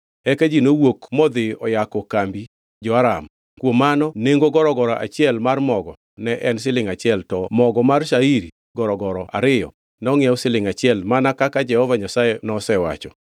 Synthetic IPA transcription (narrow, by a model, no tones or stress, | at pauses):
ɛkad͡ʒinowokmɔd̪ɪɔjakɔkambi | d͡ʒɔaɾam | kwomanɔneŋɡoɡɔɾɔɡɔɾaʔa̰t͡ʃɪɛlmarmɔɡɔ | nɛʔɛns̬ɪlɪŋat͡ʃɪɛltɔmɔɡɔmarʃaiɾi | ɡɔɾɔɡɔɾɔa̰ɾɪjɔ̰ | nɔŋɪɛʊsɪlɪŋat͡ʃɪɛlmanakakad͡ʒɛhɔvaɲasajɛnɔsɛwa̰t͡ʃɔ